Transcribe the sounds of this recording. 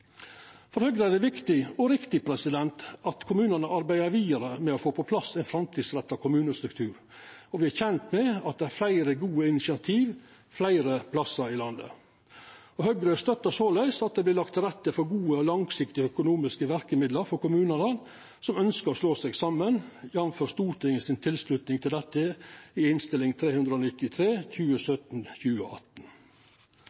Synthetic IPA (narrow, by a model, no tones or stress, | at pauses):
fɔɾhœɡɾəæɖ̪ɛʋɪkt̪ɪɔɾɪkt̪ɪpʰɾɛsɪd̪ɛnt̪ɑt̪kʰʊmʉːnənəʔɑɾbæɪəɾʋiːd̪əɾəmɛɔfoːpʰɔpʰlɑsːɛɪnfɾɑmt̪iːd̪sɾɛt̪ːɑkʰʊmʉːnəst̪ɾʉk̚t̪ʰʉːɾ | ɔʋɪæçɛnt̪mɛɑt̪̚d̪ɛæɾflæɪɾəɡuːəɪnɪsɪɑt̪ʰiːʋ | flæɪɾəpʰlɑsːəɾɪlɑnd̪ə̰ | ɔhœɡɾœst̪œt̪ːəsɔlæʏsɑt̪̚d̪ɛblɪlɑkt̪ɾɛt̪ːəfɔɾɡuːəɔlɑŋsɪkt̪ɪəœkʊnuːmɪskəʋæɾkəmɪd̪ləɾfɔɾkʊmʉːnəɾən | sɔmœnskəɾɔsloːsɛɡsɑmːənjɑʋnføːɾst̪uːɾʈ̪ʰɪŋəsɪnt̪ʰɪlslʉt̪nɪŋt̪ʰɪld̪ɛt̪ːəɪɪnst̪ɪlɪŋt̪ʰɾeːhʉnd̪ɾəoːnɪt̪ːɪt̪ʰɾeːçʉːəsœt̪n̩çʉːə̰ʔɑt̪n̩